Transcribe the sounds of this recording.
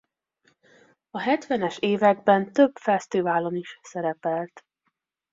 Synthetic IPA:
ɒɦɛt̪ʋɛnɛʃeːvɛɡ̚bɛnt̪øbfɛst̪ivaːlo̞niʃsɛɾɛpɛlt̪

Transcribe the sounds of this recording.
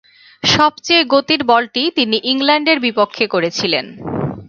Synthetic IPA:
ʃɔbt͡ɕejɡot̪iɾbɔlʈit̪iniʔiŋlaɳɖeɾbipokʰːekoɾet͡ɕʰilḛn

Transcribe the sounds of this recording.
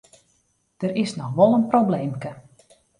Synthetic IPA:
d̥əɾɪsnɔxʋɔlˠənprowbleːmkə

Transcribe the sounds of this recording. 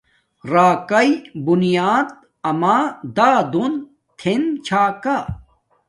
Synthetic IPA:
ɾaːkɐibunijaːd̪̚ | ɐmaːd̪aːd̪un | t̪ʰent͡ɕʰaːka

